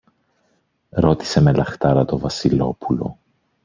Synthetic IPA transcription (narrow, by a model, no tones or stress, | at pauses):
ɾo̞t̪i̥se̞me̞lɐxt̪ɐɾɐt̪o̞vɐsilo̞̰pulo̞̰